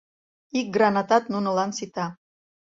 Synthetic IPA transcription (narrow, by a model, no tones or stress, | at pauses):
ik̚ɡrɑnɑt̪ɑt̪̚nunə̆lɑnsit̪ɑ